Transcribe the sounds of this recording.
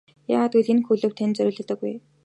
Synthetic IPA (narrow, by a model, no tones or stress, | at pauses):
ja̰ːʁaːt̪ujɮĭnxuɮɘ̆wt̪ʰænt͡sœɾʲɵːɮɘ̆t̪ɘ̆ɡuj